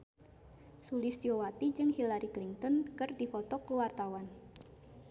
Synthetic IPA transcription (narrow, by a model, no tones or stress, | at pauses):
sulɪsdiowat̪id͡ʒɨŋhilaɾikliŋt̪ɔnkɨrdifɔt̪ɔkəwart̪awan